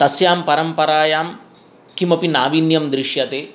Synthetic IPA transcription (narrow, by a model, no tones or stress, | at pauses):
t̪ɐsjaːmpɐɾɐmpɐɾaːjaːm | kimɐpinaːʋinjɐmd̪ɾiʃjɐt̪eː